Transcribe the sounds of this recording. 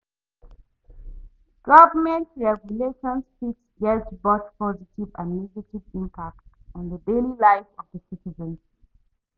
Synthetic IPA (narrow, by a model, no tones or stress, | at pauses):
ɡ̥ʌvəmɛ̃ntɹɛɡjuleʃɔ̃nspitsɡɛltboθpɔzitivã̰nːiɡativĩmpʰak̚tɔ̃nðədelilãɪfɔvdəsitizə̃n